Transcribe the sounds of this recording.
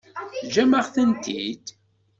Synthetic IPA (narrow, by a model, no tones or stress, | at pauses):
d͡ʒæməʁθənt̪ʰḭd̪̥